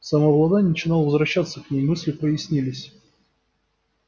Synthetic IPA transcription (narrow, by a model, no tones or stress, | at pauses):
sɐmavlˠɐd̪anʲnət͡ɕɪnɑlˠvəzvɾɐɕːat̪səknʲejmɨsʲlʲɪpəjɪsʲnʲilʲɪsʲ